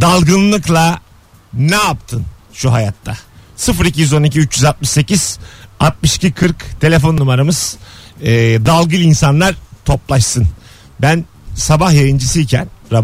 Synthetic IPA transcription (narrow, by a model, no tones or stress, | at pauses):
d̪alˠɡɯnlˠɯklˠa | nɛapt̪ʰɯnʃuɦajat̪ʰːasɯfɾicijyzo̞niciyt͡ʃjyzalt̪̚mɯʃse̞ciz̥at̪̚mɯʃcikʰɯɾkt̪ʰe̞lʲe̞fo̞nːumaɾamɯz̥ː | d̪alˠɡɯlʲˠinsanlˠaɾt̪ʰo̞plˠaʃsɯn | bæn | sabahjajɯnd͡ʒɯsɯicʰæ̰nɾab